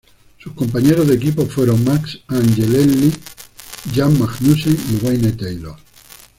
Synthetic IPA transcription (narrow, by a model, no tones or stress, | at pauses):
susko̞mpaɲe̞ɾozðekipofweɾoŋmaksanʝelelːi | ʝammaknuseŋiwajnet̪ejlo̰